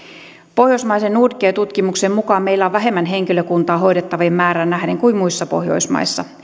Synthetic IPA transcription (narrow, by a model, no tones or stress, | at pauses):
po̞hjoismɑjsenːuːrkˑeːt̪ut̪kimuksemmukɑːmme̞jlːæoʋʋæɦe̞mːænɦe̞ŋkiløkunt̪ɑːɦo̞jdet̪ːɑʋimːæːɾænnæɦdeŋkuimmuisːɑpo̞̰hjo̞̰ismɑ̰isːɑ